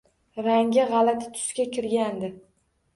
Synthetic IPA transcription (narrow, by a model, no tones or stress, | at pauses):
ɾaŋɡʲɪʁɑlat̪ʰɪ̥t̪ʰʊ̥skʲakʲʰɪɾɡʲand̪ɪ